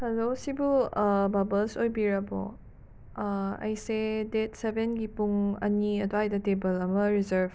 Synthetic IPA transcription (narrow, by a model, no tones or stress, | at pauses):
hɐlosibubɐbəlsojbiɾɐbɔ̰ | ɐ̰jsedet̚sebenɡipuŋɐ̰niɐdoajdɐtebəlɐmɐɾizɐɾv